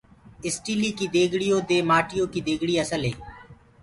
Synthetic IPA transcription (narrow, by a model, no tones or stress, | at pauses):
ɪsʈiːliːkiːd̪eːɡʱɽijõːd̪eːmaːʈɪjõːkiːd̪eːɡɽiːəsəlɦḛː